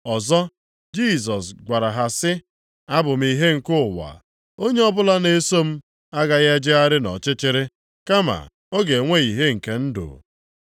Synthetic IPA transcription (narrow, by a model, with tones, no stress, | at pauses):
ɔ˨zɔ˦ | d͡ʒi˦˨s̬ɔ˨sɡʷa˨ɾa˨ɦa˨sɪ˦ | a˦bʊ˨m̩˦i˨ɦe˦ŋ̩˨kʊ˦˨wa̰˨ | o˦ɲe˦ɔ˦bʊ˦la˦ne˨so˦m̩˦ | a˦ɡa˨ɣe˦d͡ʒɪ˦a˦ɾɪ˦nɔ̰˨t͡ʃɪ˦t͡ʃɪ˦ɾɪ˦ | ka˦ma̰˨ | o˦ɡe˨ŋʷe˦i˨ɦe˦ŋ̩˨ke˨n̩˦dʊ̰˨